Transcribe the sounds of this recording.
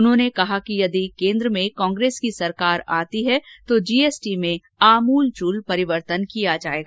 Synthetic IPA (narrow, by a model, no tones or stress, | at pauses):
ʊnɦõːnekɐɦakijɐd̪ikẽːnd̪ɾəmẽkɔ̃ːŋɡɾeːskisɐɾkaːɾaːt̪iɦɛt̪od͡ʒiːeːsʈimẽ | aːmuːlt͡ʃuːlpɐɾɪʋəɾt̪ənkijad͡ʒaːeːɡaː